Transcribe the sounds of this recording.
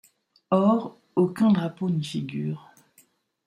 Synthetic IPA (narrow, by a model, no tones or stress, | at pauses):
ɔʁ | okʲɛ̃d̪ʁaponifiɡʲyːʁ